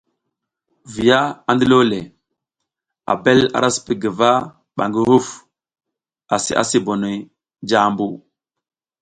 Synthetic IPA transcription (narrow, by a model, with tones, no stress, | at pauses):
vi˨ja˦a˨ndi˦lo˦le˨ | a̰˨be˦la̰˨ɾa˦spi˨ɡə˨va˦ | ɓa˨ŋɡi˦hu˦f | a˨sḭ˦˨ʔa̰˦si˦bo˨no˨j | d͡ʒa˦mbu˦